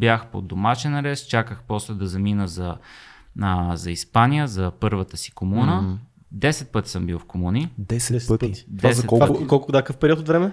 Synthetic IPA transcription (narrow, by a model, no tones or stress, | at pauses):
bʲjaxpo̰d̪omaʃɛnɾɛst͡ʃakəxpɔslɛd̪ɐzɐminəzɐ | əzɐispanijəzɐpɤɾvət̪əsi̥komunə | d̪ɛsɛt̪̚pɤt̪i̥səmbilˠfkomunid̪ɛsɛt̪id̪vsɛt̪ɔakɔlˠkʊd̪akəfpɛɾiɔt̪ot̪vɾɛmɛ